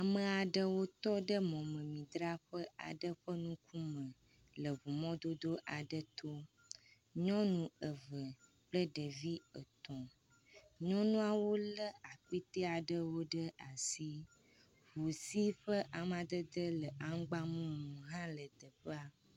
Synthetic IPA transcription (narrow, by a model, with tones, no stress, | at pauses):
a˨mə̃˨a˨ɖə˦wo˦t̪ɔ˦ɖə˦mɔ̃˨mə̃˨mĩ˨d̪ɾa˦ɸə˦a̰˨ɖə˦ɸə˦nũ˦ku˦mə̃˨ | lə˨βu˨mɔ̃˦d̪o˦d̪o˦ʔa˨ɖə˦t̪o˦ | ɲɔ̃˦nũ˨ə˨və˨ | plə˦ɖə˨vi˦ə˨t̪ɔ̃˨ | ɲɔ̃˦nũ˦a˨wo˦lə˦a˨ku˦i˦t̪e˦a˨ɖə˦wo˦ɖə˦a˨si˦ | βu˨si˦ɸə˦ʔa˨m˦˨a˨d̪ə˦d̪ə˦lə˨ʔa˦ŋ˦ɡ͡ba˦mũ˦mũ˨ɦã˦lə˨d̪ə˨ɸə˦a˦